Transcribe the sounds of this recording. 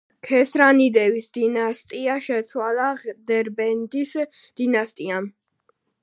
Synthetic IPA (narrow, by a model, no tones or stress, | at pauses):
kʰɛsɾanid̪ɛvisd̪̥inast̪ʼiaʃɛt̪sʰwalˠad̪ɛɾbɛnd̪is | d̪̥inast̪ʼiam